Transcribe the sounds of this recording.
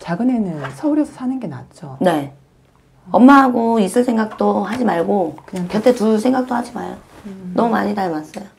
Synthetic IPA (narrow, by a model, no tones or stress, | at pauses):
t͡ɕaɡɯnenɯnsʰʌuɾjʌsʰʌ̥sʰanɯnɡe̞na̰t̚t͡ɕ͈one̞ | ʌmːaɦaɡois͈ɯɭsʰe̞ŋɡak̚t͈ohad͡ʑimaɭɡokɯɲkjʌtʰetusʰe̞ŋɡak̚t͈ohad͡ʑima̰ɭjonʌmuma̰ɲitaɭmas͈ʌjo